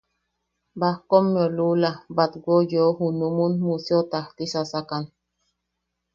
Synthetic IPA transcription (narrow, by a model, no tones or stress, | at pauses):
bahkomːjolulabat̪ɡʷojohunumunmusjot̪aht̪isasakan